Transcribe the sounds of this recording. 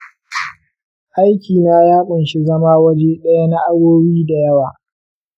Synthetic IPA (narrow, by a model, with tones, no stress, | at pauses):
ʔa˦jkʲʰiː˨naː˦jaː˦ɓʊ˨nʃi˦zɐ˦maː˦wɐ˦d͡ʒe˦ɗɐ˦ja˦na˦ʔa˦ɽoː˦biː˦da˨jɐ˦waː˨